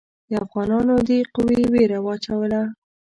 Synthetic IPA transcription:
d̪əafɣɑnɑnod̪eqʊwiweɾawɑt͡ʃawəla

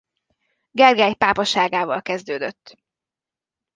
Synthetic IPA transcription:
ɡɛrɡɛjpaːpɒʃaːɡaːvɒ̰lkɛzd̪øːd̪øt̪ː

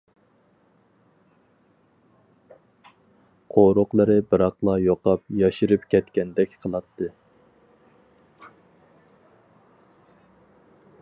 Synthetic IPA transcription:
qʰoɾoqlˠɨɾɨbɨɾɑqlˠɑjoqɑpjɑʃiɾɨp̚kʲʰɛt̪kʲɛnd̪ɛkʲqʰəlˠɑt̪ʰːɨ

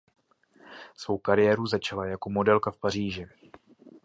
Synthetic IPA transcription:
svo̞wkaɾɪjɛːɾuzat͡ʃalajako̞mo̞dɛlkafpariːʒɪ

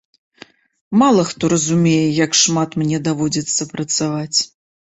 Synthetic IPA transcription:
malˠɐxt̪ɔɾɐzumʲejɛjɐkʂmat̪mnʲɛd̪avɔd͡zʲit̪sːɐpɾɐt̪savat͡sʲ

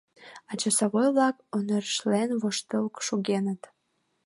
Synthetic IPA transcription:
ɑt͡ɕəsoɣojβlɑkonərʃlenβoʃt̪əlkʃuɣenət̪

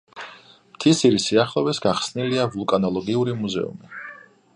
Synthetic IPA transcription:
mt̪ʰisiɾisiaχlˠɔvɛsɡaχsniliavulˠkʼanɔlˠɔɡiuɾimuzɛ̰ṵmi

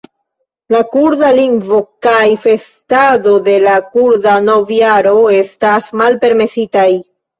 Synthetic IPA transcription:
lakuɾdaliŋɡvo̞kajfe̞stado̞de̞lakuɾdano̞vjaɾo̞e̞stasmalpe̞ɾme̞sitaj

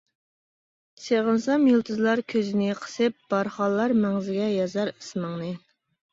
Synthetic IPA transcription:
seʁənsɑmjulˠt̪ʰɨzlˠɑɾkʲʰøzɪnɪqʰə̥sɨp̚b̥ɑɾχɑlˠːɑɾmɛŋzɪɡʲɛjɑzɑɾɨsməŋnɨ

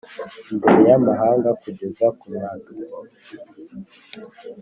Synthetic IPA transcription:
ndejamaɦaːŋɡakuɟezakuɲaŋibo

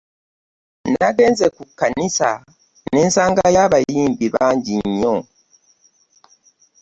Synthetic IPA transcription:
naɡe̞ːnzekukːanisa | neːnsaːŋɡajaːβajiːmbiβaːɲɟiɲːo

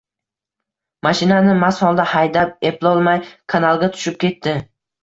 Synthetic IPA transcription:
maʃɪnanɪmashɒlˠd̪ahajd̪ap̚e̞plˠɒlˠmajkʰanalˠɡʲat̪ʰʊ̥ʃɪp̚kʲʰe̞t̪ːɪ

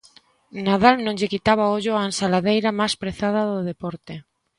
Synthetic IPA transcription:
naðalnõŋʎekit̪aβ̞aoʎoaensalaðejɾamajspɾeθað̞aðoðepɔɾt̪e

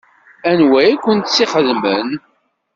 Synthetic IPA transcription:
ænwæjækʷːənt̪siχəðmən

